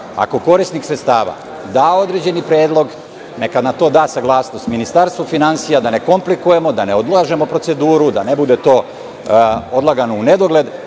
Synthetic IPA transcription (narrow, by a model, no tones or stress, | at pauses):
a̰ko̞ko̞ɾisniksɾet̪st̪aːʋa̰ | d̪aːo̞d̪ɾe̞d͡ʑe̞nipɾe̞ːd̪lˠo̞ɡ | nekad̪nat̪o̞ːd̪aːsaɡlˠaːsno̞st̪minist̪aɾst̪ʋofinansijad̪ane̞ko̞mplikuje̞mo̞d̪ane̞o̞d̪lˠaːʒe̞mo̞pɾo̞t̪se̞d̪uːɾud̪ane̞bud̪e̞t̪o̞ː | od̪laɡanoune̞d̪o̞ɡle̞d̪